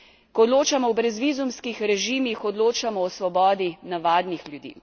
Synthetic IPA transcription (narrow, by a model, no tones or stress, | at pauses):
kɔːd̪loːt͡ʃamɔwbɾɛzʋizumskixɾɛʒiːmixɔd̪loːt͡ʃamɔɔsʋɔbɔːd̪inaʋaːd̪nixlʲjud̪ḭː